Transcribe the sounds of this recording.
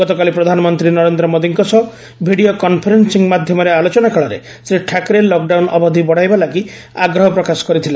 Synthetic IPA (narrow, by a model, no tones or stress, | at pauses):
ɡɔt̪ɔkalipɾɔd̪ʱanɔmɔnt̪ɾinɔɾend̪ɾɔmod̪iŋkɔsɔ | bʱiɽiokɔnpʰɔɾensiŋmad̪ʱjɔmɔɾealot͡ʃɔnakʰaɭɔɾḛ | sɾiʈʰakɾelɔkɖawnɔbɔd̪ʱibɔɽ̤ajbalaki | a̰ɡɾɔɦɔpɾɔkasɔ̥kɔɾit̪ʰile